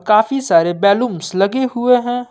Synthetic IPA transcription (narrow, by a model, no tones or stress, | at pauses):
kaːfisaːɾebɛːlumslɐɡeɦʊeɦɛ̃ː